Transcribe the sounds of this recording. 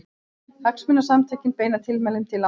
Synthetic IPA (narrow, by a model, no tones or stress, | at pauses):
haksmʏnːasamt̪ʰɛːcɪnpeːjnat̪ʰɪlmɛlːʏmt̪ʰɪlːa